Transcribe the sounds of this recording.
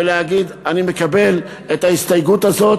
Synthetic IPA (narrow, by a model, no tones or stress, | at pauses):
eleaɡid̪anime̞kabe̞l | et̪aist̪ajɡut̪azo̞t